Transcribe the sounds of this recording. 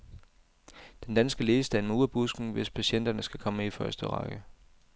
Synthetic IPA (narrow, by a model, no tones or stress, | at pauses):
d̥end̥ænsɡ̥əle̝ːəsd̥ænmuðˠɐb̥usɡ̥n̩ʋe̝spʰæɕen̰d̥ɐnəsɡ̥ækʰɒ̽məifɶɐsd̥əʁɑ̈ɡ̥ə